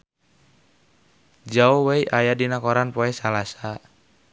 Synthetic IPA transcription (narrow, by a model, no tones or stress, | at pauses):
d͡ʒaɔwɛiʔajadinakɔɾanpɔɛsalasa